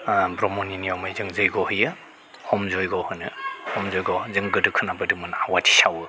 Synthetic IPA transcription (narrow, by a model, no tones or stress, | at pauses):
bɾɔmɔniniɔmajzɯŋzɯjɡɔhɯjɯ | hɔmzɔjɡɔhɯnɯhɔmzɔjɡɔzɯŋɡɯdɯkʰɯnabɯdɯmɯnawatʰi̥sawɯ